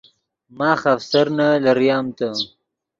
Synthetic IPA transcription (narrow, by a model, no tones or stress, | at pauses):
mɑːxafsaɾnalaɾjɑːmt̪a